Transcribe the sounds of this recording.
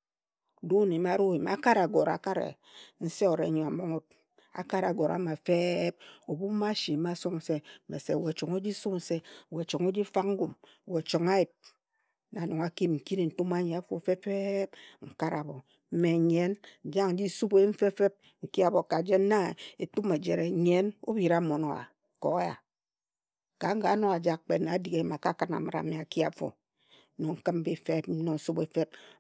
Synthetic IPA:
do˦ne˨m˦a˦ɾo˦i˨m˨a̰˦ka˦ɾa˨ɡo˨ɾa̰˨ka˦ɾḛ˨ | n̩˦se˦o˨ɾe˨ɲo˨a˨mo˦ŋo˦t̚ | a̰˨ka˦ɾa˨ɡo˨ɾa̰˨ma˨fe˦p̚o˨bu˦ma˦ʃi˨ma˦so˦ŋn̩˨se˦mḛ˨se˨we˨t͡ʃo˨ŋo˦d͡ʒi˦su˦kn̩˨se˦˨we˨t͡ʃo˨ŋo˦d͡ʒi˦fa˦k̚ŋ̩˦ɡu˨m˨ | we˨t͡ʃo˨ŋa˦ji˨p̚ | na˨no˨ŋa˨ki˦mŋ̩˨ki˦ɾe˨n̩˨tu˦ma˦ɲe˨a˦fo˦˨fe˦fe˦p̚ŋ̩˨ka˦ɾa˨bo˨ | m̩˦me˨ɲe˦n̩˨d͡ʒa˦ŋ̩˦d͡ʒi˦su˦be˦ɱ̩˦fe˦fe˦p̚ | ŋ̩˨ki˦a˨bo˨ka˨d͡ʒe˦n˦na˦e˨tu˦me˨d͡ʒe˨ɾe˨ɲe˦no̰˦bi˨ɾa˦mo˨no̰˨˦a̰˨ | ko̰˨˦ja̰˨ | ka˨˦ŋ̩˦ɡa˨˦no˦a˨d͡ʒa˦k̚k͡pe˨na˨˦di˨ɣe˨˦˨ma˨ka˦ka˨na̰˨ma˨ɾa̰˨me˨a˨ki˦a˨fo̰˨˦ | no˨ŋ̩˨kɨ˦m˦bi˦fe˦p̩˦no˨su˦be˨˦fe˦p̚

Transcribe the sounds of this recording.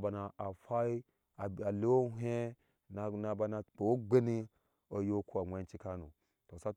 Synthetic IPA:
ba˨na˨a˨fa˦i˦ | a˨a˨le˦wo˦ɦe˦ | na˨na˨ba˦na˨k͡po˨wo˦ɡ͡be˦ni˦ | o˨jo˦kʰu˦a˨ŋʷe˨˦nt͡ʃi˦ka˦nṵ˨ | to˨sa˦

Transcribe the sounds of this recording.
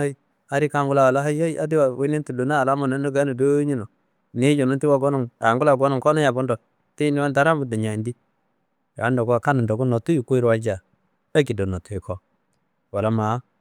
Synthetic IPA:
a˦i˦ | a˨˦ɾi˦ka˦ŋɡu˦la˨wa˨la˦ɦa˦ja˦i˦a̰˦di˦wa˨we˦ni˦ntu˨do˨na˦˨la˦mo˨ne˦no˦ɡa˦no˨do˦ɲi˦no˨ | ne˦d͡ʒo˨nu˦nti˦wa˦ɡo˦nu˨ŋa̰˨ŋɡu˦la˨ɡo˦nu˨ŋkɔ˦na˦ja˨bɔ˦ndɔ˨ | ti˦ni˦wa˦nta˦ɾa˦mbu˨da˨ɲa˨i˨ndi˦ | ja˨a˦ndo˨ɡu˦a˨ka˦nu˨ndo˨ɡu˦no˨tu˦ju˨ku˦i˦ɾwa˦d͡ʒa˨ | a˦ki˨do˨no˨tu˦e˨kʰɔ˦ | wa˨la˦ma˨˦

